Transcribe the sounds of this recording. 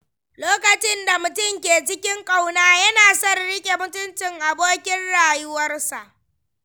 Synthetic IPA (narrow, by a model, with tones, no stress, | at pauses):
loː˦kɐ˨t͡ʃɪ˦nda˨mʊ˨tʊ˦˨mkʲeː˨t͡ʃɪ˦kʲɪ˦ŋkʼa˦wnaː˨jɐ˦naː˨sɐ˦rɽɪ˦kʲʼe˨mʊ˦tʊ˦nt͡ʃɪ˨ŋʔa˨boː˦kʲɪ˦nɽaː˨jʊ˦wɐ˦rsa˨ʔ